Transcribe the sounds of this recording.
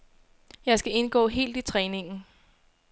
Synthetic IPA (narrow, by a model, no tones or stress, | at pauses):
jɑ̈ɪsɡ̥æe̝nɡ̥ɔ̰ːɦe̝̰ːld̥it͡sʰʁɛːne̝ŋn̩